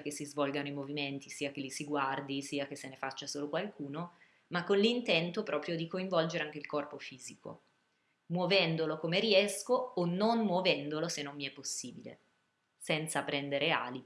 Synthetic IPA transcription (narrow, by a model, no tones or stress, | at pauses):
k̟esizvɔlɡanoimoviment̪isiːakelisiɡward̪isiːakesenefat͡ʃːasoːlokwalkʰuːno | makːonlint̪ɛnt̪opɾɔːpɾjod̪ikoiɱvɔld͡ʒeɾeaŋk̟eilkɔrpofiːziko̰ | mwovɛnd̪olokomeɾiɛskoːnːonmwovɛnd̪olosenːomːiɛpːosːiːbilḛ | sɛnt̪sapɾɛnd̪eɾea̰ːli